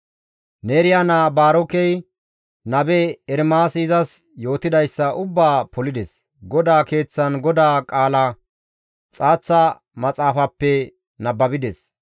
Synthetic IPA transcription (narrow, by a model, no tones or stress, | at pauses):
neːɾɪjanabaːɾɔkɛj | nɐbɛɛɾmaːsiːzɐsjo̞ːt̪ɪd̪ɐjsːɐʔʊbːaːpʰɔlɪd̪ɛs | ɡɔd̪aːke̞ːt͡sːɐnɡɔd̪aːkʼaːlɐ | t͡sʼaːt͡sːɐ | mɐt͡sʼaːfɐpːɛ | nɐbːɐbɪd̪ɛs